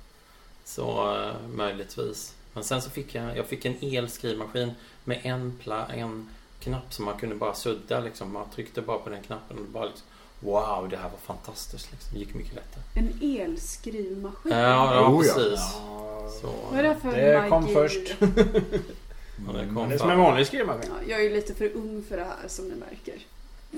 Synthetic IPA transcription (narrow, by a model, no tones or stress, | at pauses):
sɔ̰mœjlɪt̪ʰvḭːsmɛnsɛnsɔfɪkːjajɑ̰ːɡfɪkːɛneːlskɾiːvmaɧiːn | mɛʔɛnpʰlaɛn | kʰnapːsɔmːankʰɵnd̪əbɑːɾasɵd̪ːalɪksɔmmant̪ʰɾʏkt̪əbɑːɾapʰɔd̪ɛnkʰnapːənɔd̪ɛbɑːɾalɪksɔ̥m | wawd̪ɛɦæːɾvaɾfant̪ʰast̪ɪskt̪lɪksɔmd̪ɛjɪkːmʏ̰kʰːəlɛt̪ʰːaɾəɛneːlskɾiːvmaɧiɑːɑːɾsiːsssɔ̰d̪ɛæfœɛɔmːfœʂʈ | ɛ̰kʰɔmsmɛmɑːnlɪɡskɾiːmaɧijɑːɡæjliːt̪əfœɾɵŋːfœɖɛhæ̰ːɾʂɔmd̪ɪmæ̰ɾkə̰ɾ